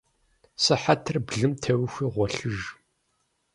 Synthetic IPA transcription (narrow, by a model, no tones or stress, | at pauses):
sɨħatʰɨrbɮɨmtʰɐwxʷiːʁʷɔɬɨʒ